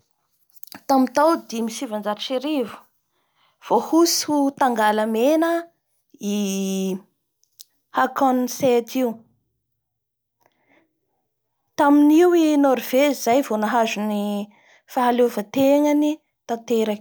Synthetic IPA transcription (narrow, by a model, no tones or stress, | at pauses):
t̪amit̪awd̪imisivand͡ʒaɾʃeɾivu̥ | v̥ohusut̪aŋɡaləmenə | i | hakɔnset̪iu | t̪aminiwinoɾiv̥eizajvonaɦazuni | faɦalevat̪eŋəni | t̪at̪eɾa